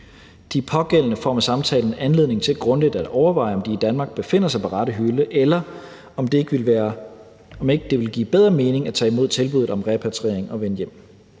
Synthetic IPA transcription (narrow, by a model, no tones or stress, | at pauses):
d̥ipʰɒ̽ɡ̥el̰ənəfɒ̰mæsɑ̈mt͡sʰɛ̰ːln̩ænle̝ð̞̰ˠne̝ŋt͡sʰe̝læ̥ɡ̥ʁɔ̽nled̥æd̥ɒʊɐʋɑ̈ɪ̰ɒ̽md̥iːd̥ænmɑ̈ːɡ̥̚b̥e̝fe̝n̰ɐsɑ̈ɪpʰɒʁɑ̈ɾ̥əɦyləʔelɐ | ɒmd̥eɡ̥ɐ | ɒme̝ɡ̥əd̥e̝ʋe̝lɡ̥ḭːb̥eð̞ˠʁɐme̝ːne̝ŋæt͡sʰɛ̰ːimo̝ð̞̰ˠt͡sʰe̝lb̥uð̩ˠɒ̽mʁɛpʰæt͡sʰʁḛɐ̰eŋɒ̽ʋenjem̰